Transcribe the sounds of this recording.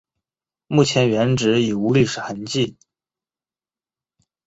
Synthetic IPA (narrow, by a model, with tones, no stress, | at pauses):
mu˥˩t͡ɕʰjɛ˧˥nɥɛ˧˥nʈ͡ʂɻ̩˧˥i˨˩u˧˥ly˥˩ʂɻ̩˨˩xə˧˥nt͡ɕi˥˩n